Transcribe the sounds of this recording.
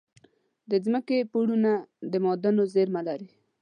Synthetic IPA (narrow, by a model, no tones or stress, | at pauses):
d̪əzməkepuɽunad̪əmɔd̪anozeɾmalaɾi